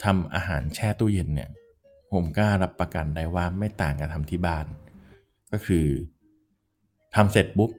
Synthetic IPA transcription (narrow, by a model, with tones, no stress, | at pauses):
t̪ʰa˧mʔa̰ː˧ɦaː˩˦nt͡ɕʰɛː˥˩t̪u˥˩je˧nnḭ˦˥˩ɐ | pʰo˩˦mkaː˥˩ɾa˦˥pːɾa˧ka̰˨nda˧jwaː˥˩ma˥˩jt̪aː˨˩ŋka˧t̪ʰa˧mt̪ʰiː˥˩baː˥˩n | kɔː˥˩kʰɯː˧ | t̪ʰa˧mse˨˩t̪̚bu˦˥p̚